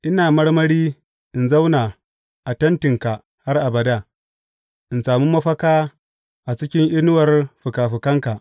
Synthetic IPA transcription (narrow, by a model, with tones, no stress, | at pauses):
ʔɪ˦naː˨mɐ˦ɽmɐ˦ɽiː˦ | ʔɪ˨nza˦wnaː˨ | ʔa˨tɐ˦ntɪ˨ŋka˨ | ha˦rʔa˨bɐ˨daː˦˨ | ʔɪ˨nsaː˨mu˦mɐ˦ɸɐ˦kaː˦ | ʔa˨t͡ʃɪ˦kʲɪ˦ŋʔɪ˦nʊ˦wɐ˨rɸʊ˨kaː˨ɸɪ˨kɐ˦ŋka˨ʔ